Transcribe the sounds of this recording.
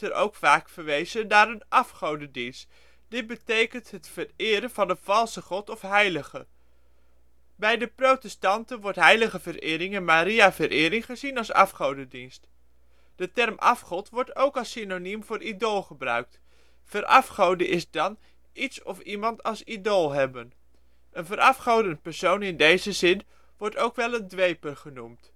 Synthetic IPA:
əɾʔo̰wkfaːkfəɹʋejzənaːɾənʔɑfχowdədinst | d̥ɪd̚bətejkəntɦətfərɪːɾənv̥ɑndəv̥ɑlˠsəχɔtɔfɦɛjləχə | bɛjdəprowtɛstɑntənʋɔɹtɦɛjləχəvəɾɪːɾɪŋɛnmaːɾiavəɾʔɪːɾɪŋχəzinɑlˠsɑ̰fχowdədinst | d̥ətɛrmʔɑfχɔtʋɔɹtowkɑlˠsinonimvʊːɾʔidolˠχəbrœ̰ɥk̚t | fəɾʔɑfχowdəʔɪzdɑn | itsɔfimɑntɑlˠsidolˠɦɛbən | ʔənvəɾʔɑfχowdənpɛɹsownɪndejzəzɪn | ʋɔɹtowkʋɛlˠəndʋejpərχənumt

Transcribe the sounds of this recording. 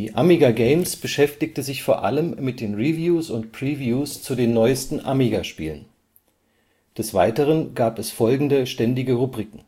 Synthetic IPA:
iːʔamiɡaɡeɪmsb̥əʃɛftɪk̚təzɪçfoːɐʔa̰ləmːɪt̚d̥eːnʁivjuːsʊntpʁ̥ivjuːst͡sudeːnːɔʏəstn̩ʔamiɡaʃpiːlən | d̥ɛsv̥aɪtəʁ̞ənɡaːpɛsfɔlɡŋ̩dəʃtɛndɪɡəʁubʁiːkŋ̩

